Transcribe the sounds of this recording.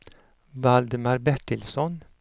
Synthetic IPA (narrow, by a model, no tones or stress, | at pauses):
ʋɑld̪əmɑɾbɛʈɪlsɔn